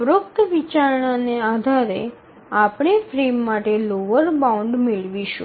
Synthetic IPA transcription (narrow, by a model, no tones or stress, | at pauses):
ʋɾuk̚t̪ʋit͡ʃaɾɳanead̪ʱaɾe | apɳ̃efɾemːaʈeloʋəɾbauɳɖmeɭʋiʃṵ̃